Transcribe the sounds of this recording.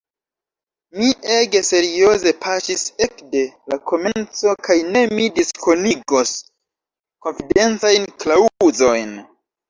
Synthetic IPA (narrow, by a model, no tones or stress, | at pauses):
miʔe̞ɡe̞se̞ɾio̞ze̞pʰasise̞kde̞lakʰo̞me̞nt͡so̞kajne̞midiskʰo̞niɡo̞s | ko̞nfide̞nt͡sajnklauzo̞jn